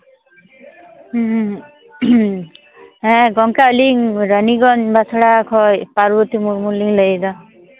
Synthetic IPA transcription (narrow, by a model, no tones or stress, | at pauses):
ɦɛ̃ɡʌŋkaliŋɾʌniɡʌnbat͡sʰɔɽakʰɔpaɾbut̪imuɾmuliŋlʌjd̪ʌ